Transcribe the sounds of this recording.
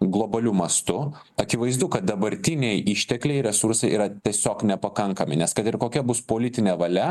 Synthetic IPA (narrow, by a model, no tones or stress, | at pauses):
ɡlˠoːbɐlʲuːmɐst̪ʊ | ɐkʲɪʋɐɪzd̪ʊkɐt̪̚d̪ɐbɐɾʲt̪ʲɪnʲejʔiʃʲt̪ʲɛklʲɛɪɾʲɛsʊɾsɐɪʔiːɾɐt̪ʲiɛsʲoːknʲɛpɐkɐŋkɐmʲɪnʲɛskɐt̪ɪɾkoːkʲɛbʊspoːlʲɪt̪ʲɪnʲɛːʋɐlʲɛ